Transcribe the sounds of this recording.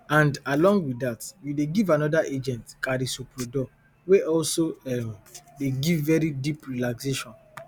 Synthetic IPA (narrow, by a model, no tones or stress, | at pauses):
ãndalɔ̃ŋɡwiatjudeɡivanɔdaʔed͡ʒɛ̃ntkaɾisupɾodɔ | weʔɔlsoɛmdeɡivːɛɾidipɹilakseʃɔ̃n